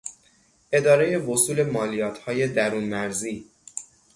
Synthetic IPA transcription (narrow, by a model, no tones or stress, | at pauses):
ʔe̞d̪ɒːɾeje̞vo̞suːle̞mɒːlijɒːt̪ʰhɒːje̞d̪æɾuːnmæɾziː